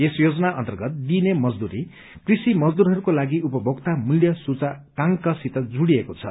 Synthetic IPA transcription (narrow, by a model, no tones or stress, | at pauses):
esjod͡zʌnaʔʌ̰nt̪ʌrɡʌt̪̚d̪inemʌd͡zd̪uɾi | krisimʌd͡zd̪uɾɦʌɾukolaɡiupʌbʱoɡt̪amuljʌsut͡sakaŋkʌsit̪ʌd͡zuɽiekot͡sʰʌ